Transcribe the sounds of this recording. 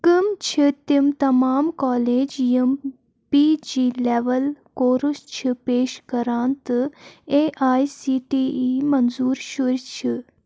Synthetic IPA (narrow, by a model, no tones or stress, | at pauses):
kɨmt͡ʃʰit̪imt̪ɐmaːmkɔːleːd͡ʒjim | pid͡ʒiːleːʋɐlkoːɾust͡ʃʰipeːʃkɐɾaːnt̪ɨeːʔaːjsiːʈiːimɐnzuːɾʃuɾt͡ʃʰi